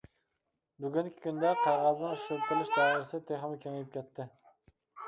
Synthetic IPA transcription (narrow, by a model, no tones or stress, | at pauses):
byɡʲynkʲʰi̥kʲʰynd̪ɛqʰɑɾʁɑznɨ̃ŋʃɪlt̪ɪlˠɪʃd̪ɑːɪɾɪsɪt̪ʰeχɪmɪkʲʰøŋelɪp̚kʲʰɛt̪ʰːɪ